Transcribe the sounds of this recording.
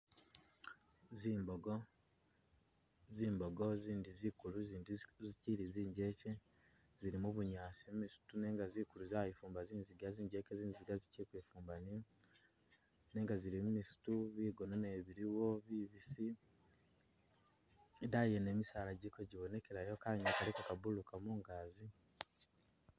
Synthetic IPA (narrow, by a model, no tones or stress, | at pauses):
ziːmboɡo | ziːmbo̞ɡo̞ziːndizikuluziːndiziciɾiziːɲɟe̞ce | ziɾimuβuɲaːsimumisu̥tune̞ːŋɡaziːkuluzajifuːmbaziːnziɡaziːɲɟe̞ːceziːnziɡaziciɾikweːfuːmbani | ne̞ːŋɡaziɾimumisu̥tuβiːɡo̞noneβiɾiwo̞βiːβisi | dajene̞ːmisaːlaɟikoɟiβo̞ne̞keɾajokaɲakalikakaβulukamuːŋɡaːzi